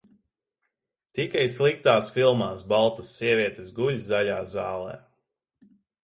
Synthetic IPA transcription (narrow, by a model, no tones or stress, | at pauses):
t̪ikajslˠikt̪aːsfilˠmaːsbalˠt̪asːiɛvʲiɛt̪esɡulʲzzaʎʲaːzaːlˠɛ̰ː